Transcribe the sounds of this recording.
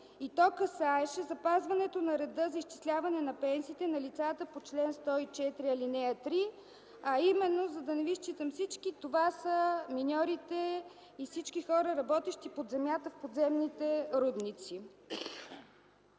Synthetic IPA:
it̪ɔkɐsaɛʃɛzɐpazvɐnɛt̪onɐɾɛd̪ɤzɐiʃt͡ʃi̥slʲavɐnɛnɐpɛnsiːt̪ɛnɐlit̪sat̪əpot͡ʃlɛnst̪ɔit͡ʃɛt̪ɾiɐlinɛɐt̪ɾi | ɐimɛnːozɐd̪ɐnɛvist͡ʃit̪əmfsit͡ʃkit̪ovasəminʲɔɾit̪ɛ | ifsit͡ʃkixɔɾəɾɐbɔt̪ɛʃt̪ipod̪zɛmjat̪əfpod̪zɛmnit̪ɛɾud̪nit̪si

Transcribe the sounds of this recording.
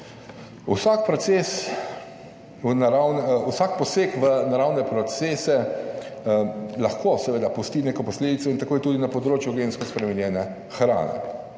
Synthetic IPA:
usakpɾɔt̪ses | naɾawnusak̚pɔseːkʋənaɾawnɛpɾɔt̪seːsɛ | laxkʰosɛʋeːd̪apust̪inekɔpɔsleːd̪itsɔint̪akoːjt̪uːd̪inapɔd̪ɾoːt͡ʃjuɡenskɔspɾɛmɛnjɛːnɛ | xɾa̰ːnɛ̰

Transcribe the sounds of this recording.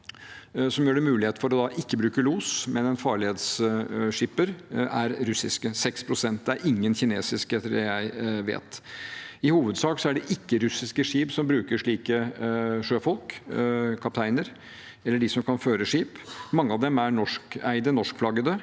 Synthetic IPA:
sɔmjøːɖɛmʉːlɪheːt̪fɔɾɔd̪ɑʔɪkːəbɾʉːkəluːsmɛnɛnfɑːɭɪheːd̪sʂɪpːəɾæ̰ɾɾʉsɪskəsɛkspʰɾʊsɛnt̪̚d̪ɛæɾɪŋːənçɪneːsɪskɛt̪ːəɖɛjæɪʋḛːt̪ | ɪhuːʋəd̪sɑːksɔæɖɛʔɪkːəɾʉsɪskəʂiːpsɔmbɾʉːkəʂɭiːkəʂøːfɔlk | kʰɑp̚t̪ʰæɪnəɾ | ɛlːəɖɪsɔmkʰɑnføːɾəʂiːpmɑŋːəɑʋd̪ɛmæɾnɔʂkæɪd̪ənɔʂkflɑɡəd̪ə

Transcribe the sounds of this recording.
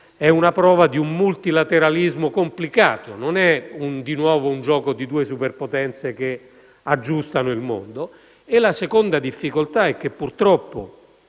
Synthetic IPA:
ɛunapɾɔːvad̪iummult̪ilat̪eɾalizmokomplika̰ːt̪ononɛund̪inwɔːvound͡ʒɔːkod̪id̪uːesuperpot̪ɛnt̪seke | ad͡ʒːust̪anoilmo̰nd̪o | elasekond̪ad̪ifːikolt̪aɛk̟ːepːurt̪ɾɔpːo

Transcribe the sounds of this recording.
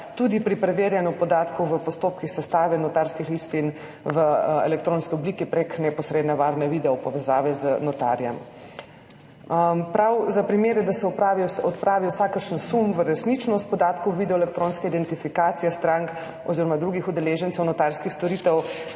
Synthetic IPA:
t̪ud̪ipɾipɾɛʋeːɾjanjupɔd̪aːt̪kɔʋəpɔst̪oːpkixsɛst̪aːʋɛnɔt̪aɾskixlist̪in | ʋəɛ̰lɛkt̪ɾoːnskiɔbliːkipɾeknɛpɔsɾed̪nɛʋaɾnɛʋid̪ɛɔpɔʋɛzaːʋɛzənɔt̪a̰ɾjɛ̰m | pɾawzapɾimeːɾjɛd̪asɛɔpɾaːʋiɔt̪pɾʔaːʋiwsaːkəɾʃənsumʋəɾɛsnit͡ʃnɔst̪̚pɔd̪aːt̪kɔwʋid̪ɛɔelɛk̚t̪ɾoːnskɛid̪ɛnt̪ifikaːt̪sijɛst̪ɾaŋk | ɔ̰ziːɾɔmad̪ɾuɡixud̪ɛleːʒənt̪sɛwnɔt̪aɾskixst̪ɔɾiːt̪ɛw

